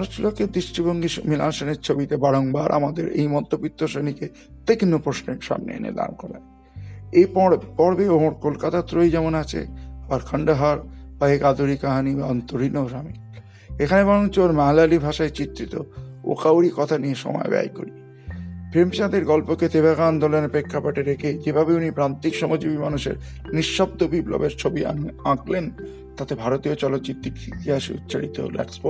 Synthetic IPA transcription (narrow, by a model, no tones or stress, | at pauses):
ɾoʃt͡ɕuloked̪ɾiʃʈʰiboŋɡiʃmila̰nʃoneɾt͡ɕʰobit̪ebaɽoŋbaɾʔa̰mad̪eɾḛjmɔd̪ʱːopit̪ːoʃenike | t̪eknopɾoʃneɾʃa̰mnḛḛnḛd̪a̰nkɔɾḛn | eppɔɾbeomoɾkolkat̪at̪ɾojd͡ʑɛmonat͡ɕʰḛbaɾkʰəɳɖaɦaɾpaɦekad̪uɾikaɦanibaɔnt̪oɾinoʃami | ekʰanebaɾont͡ɕʰoɾmaɦlalibʱaʃaet͡ɕit̪ːɾit̪o̰o̰kawɾikɔt̪ʰanieʃɔ̰mɔ̰ḛbɛ̰jko̰ɾi | pʰemit͡ɕad̪eɾɡɔlpoket̪ebaɡand̪ɔlenepɾekʰːapaʈeɾekʰed͡ʑebʱabeunipɾant̪ikʃɔmod͡ʑibimanuʃḛɾ | niʃːɔb̚d̪obiblɔ̰beɾt͡ɕʰobiãklen | t̪at̪ebʱaɾot̪iot͡ɕɔlot̪̚d͡ʑit̪ːikit̪iɦaʃṵt̪̚ːt͡ɕʰaɽit̪o̰lɛ̰ksbo